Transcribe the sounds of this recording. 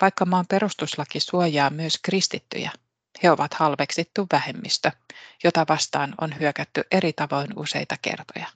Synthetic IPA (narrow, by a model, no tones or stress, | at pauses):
ʋɑjkːɑmɑːmpe̞ɾust̪uslɑkisuojɑːmyøskrist̪it̪ːy̰jæ̰ | he̞o̞ʋɑt̪hɑlʋeksit̪ːuʋːæhe̞mːḭst̪øjo̞t̪ɑʋɑst̪ɑːno̰nhyøkæt̪ːyʔe̞ɾit̪ɑʋo̞jnṵse̞̰jt̪ɑke̞̰rt̪o̞̰jɑ